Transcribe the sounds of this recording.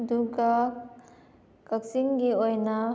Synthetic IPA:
duɡa | kɐk̚siŋɡiojnɐ

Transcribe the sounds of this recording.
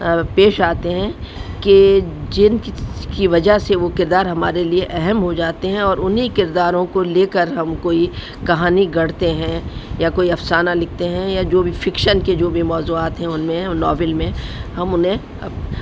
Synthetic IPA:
peːʃaːt̪eɦɛ̃ked͡ʒɪnkiʋɐd͡ʒaɦseʋokɪɾd̪aːɾɦɐmaːɾelieʔɛɦɛmɦod͡ʒaːt̪eɦɛ̃ɔːɾʊnɦikɪɾd̪aːɾõkoleːkəɾɦɐmkoːi | kɐɦaːniɡɐɽ̤t̪eɦɛ̃jakoːiɐfsaːnalɪk̚ʰt̪eɦɛ̃jad͡ʒoːbʱifɪkʃənked͡ʒoːbʱimɔːzuaːt̪ɦɛ̃ʊnmẽnɔːʋɪlmẽhɐmʊnɦẽ

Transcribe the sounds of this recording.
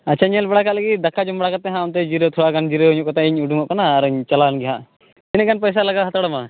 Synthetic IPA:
at͡ʃʰaɲɛlbɛɽakat̪laɡid̪akʰad͡ʒɔmbaɽakat̪̚ːɛɦãɔnt̪ɛd͡ʒiɾɔt̪ʰuakand͡ʒiɾɔuɲuʔkɔt̪ʰaiɲuɖuŋɔʔkanaːɾɲt͡ʃalanɡɛɦaʔ | t̪inɛkanpɔjs̬alaɡaɦat̪aɽɔma

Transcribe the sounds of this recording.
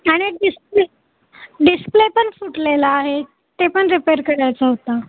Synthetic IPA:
aɽ̃iɖisple | ɖisplepəɳfuʈlelaːɦe | t̪epəɳɾipeɾkəɽajt͡saɦot̪a

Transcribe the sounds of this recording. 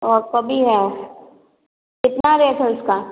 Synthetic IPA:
ɔːɾkɐbʱiɦɛ | kɪt̪naɾɐɦet̪ʰaʊskaː

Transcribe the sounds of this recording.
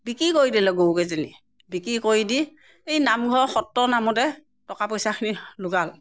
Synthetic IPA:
bikɹikoɹidilɛɡowkɛzeni | bikɹikoɹidi | ejnamɡʱɔxɔtːɔnamɔtɛ | tɔkapɔjsakʰinilʊɡal

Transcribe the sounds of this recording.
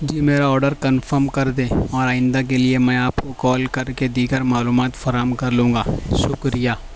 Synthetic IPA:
d͡ʒiːmeːɾaɔːɾɖəɾkɐnfəɾmkɐɾd̪ẽːɔːɾaːɪ̃nd̪ak̬eliemɛ̃ːaːpkokɔːlkɐɾked̪iːɡəɾmaːluːmaːt̪fɐɾaɦəmkɐɾlũːŋɡaːʃʊkɾijaː

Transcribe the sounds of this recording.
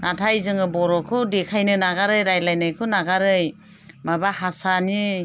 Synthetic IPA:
natʰajzɯŋɯbɔɾɔkʰɯdekʰajnɯnaɡaɾɯjɾajlajnajkʰɯnaɡaɾɯj | mabahasani

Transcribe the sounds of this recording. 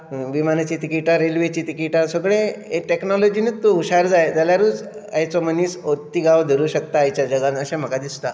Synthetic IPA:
ʋimanat͡ɕiːt̪ikiʈaɾelʋet͡ɕiːt̪ikiʈasəɡɭeeʈeknɔlɔd͡ʑinet̪ːuuɕaɾd͡zajt̪aljaɾuːd͡z | ajt͡sɔməniːsot̪ːiɡaʋd̪ʱəɾuːɕək̚t̪aːjt͡ɕjad͡ʑəɡãnəɕem̤əkad̪ist̪a

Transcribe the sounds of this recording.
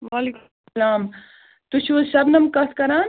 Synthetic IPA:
ʋaːlik | laːm | t̪uʃʰusɐbnɐmkɐskɐɾaːn

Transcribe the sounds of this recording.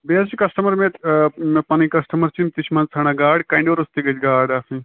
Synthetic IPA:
beːsikɐsʈɐmɐɾmemepɐnikɐsʈɐmɐɾt͡ʃimt̪it͡ʃʰmɐnt͡sʰɐɽ̃aːɡaːɽkɐɳɖioɾust̪iɡɐt͡ʃɡaːɽaːfʰĩ

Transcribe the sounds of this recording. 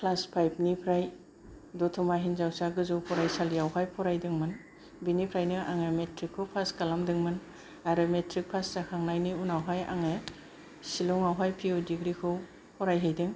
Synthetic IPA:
kʰlaspʰajp̚nipʰɾaj | dɔtʰɔmaɦinzawsaɡɯzupʰɔɾajsalijawɦajpʰɔɾajdɯŋmɯn | binipʰɾajnɯʔaŋemetɾikʰːɯpʰaskalamdɯŋmɯn | aɾɯmetɾik̚pʰaszakʰaŋnajniunawɦaja̰ŋe | silɔŋawɦajpʰiodiɡɾikʰɯw | pʰɔɾajɦɯjdɯŋ

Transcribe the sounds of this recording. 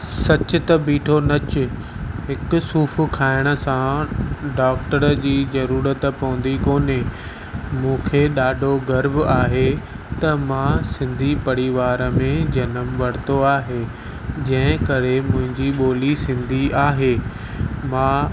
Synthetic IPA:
sɐt͡ɕʊt̪ɐbiːʈʰonɐt͡ɕʊ | ɦɪkʊ̆suːfʊkʰaːɪɽ̃ə̆sãɖaːk̚ʈəɾd͡ʑiːzɐɾuːɾət̪pɐ̃ːʊ̃nd̪ikoːne | mũːkʰeɗaːɖʱoɡɐɾbaːɦe | t̪ɐmãsɪ̃nd̪ʱipɐɽiʋaːɾəmẽd͡ʑɐnəmʋɐɽ̤t̪oaːɦeː | d͡ʑɐ̃ɦɪ̃kɐɾemʊ̃ɦɪ̃ɲd͡ʑiɓoːlisɪ̃nd̪ʱiaːɦeː | mãː

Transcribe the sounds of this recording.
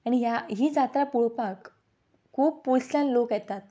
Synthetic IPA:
aɽ̃iɦjaɦiːd͡zat̪ɾapuɭpak | kʰːuːbpuɭslanlokjɛt̪at̪̚

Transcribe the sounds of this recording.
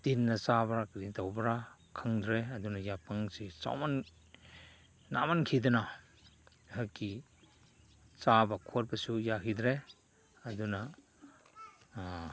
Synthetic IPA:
tinːat͡ʃabɾakɾintawbɾakʰɯŋd̪ɾeɐdunajapaŋset͡ʃa̰wman | na̰mankʰidɐna | ɦaki | t͡ʃabakʰot̚basujakidɾe | aduna

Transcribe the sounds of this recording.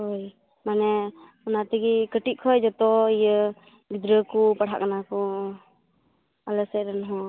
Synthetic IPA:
ɦoj | manɛ | unat̪iɡikəʈiʔ̚kʰɔjd͡ʒɔt̪ɔijə | ɡid̪ɾəkupəɽ̤a̰ʔkanakɔ | aləsɛɾanɦɔ

